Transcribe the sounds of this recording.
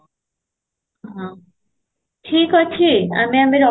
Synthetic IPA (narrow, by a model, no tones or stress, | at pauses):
ɦã | tʰikɦɔt͡ɕʰia̰miamiɾɔ